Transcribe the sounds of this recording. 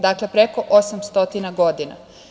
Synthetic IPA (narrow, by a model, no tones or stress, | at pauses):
d̪akle̞pɾeko̞ʔosamst̪o̞t̪inaɡo̞d̪ina̰